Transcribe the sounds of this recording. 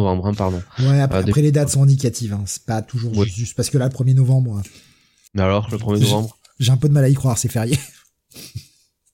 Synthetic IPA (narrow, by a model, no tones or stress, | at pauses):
vɑ̃bʁɛ̃paʁd̪ɔ̃wɛapapχɛled̪at̪sɔ̃ɛ̃d̪ikat̪ivɛ̃sɛ̥pat̪ʰuʒuʁpyʒyst̪̚paʁsə̥kəlaləpχəmjenɔvɑ̃bʁɛ̃ | mɛalɔʁləpχəmjenɔvɑ̃bʁ | ʒeɛ̃pød̪əmalaikχwaʁsɛfɛʁjɛ